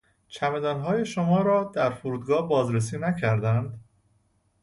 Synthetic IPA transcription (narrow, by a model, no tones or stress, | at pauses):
t͡ʃʰæmed̪ænɦɒːje̞ʃomɒːɾɒːd̪̥æɾfoɾuːd̪ɡɒːhbɒːzɾes̬iːnæcʰæɾd̪ænd̪